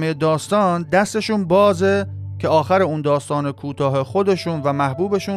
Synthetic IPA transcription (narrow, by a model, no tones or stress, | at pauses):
mejed̪ɒːst̪ɒːnd̪æst̪e̞ʃuːnbɒːzecʲʰeɒːxæɾeuːnd̪ɒːst̪ɒːnekʰuːt̪ʰɒːɦe̞xo̞d̪e̞ʃuːnvæmæhbuːbe̞ʃuː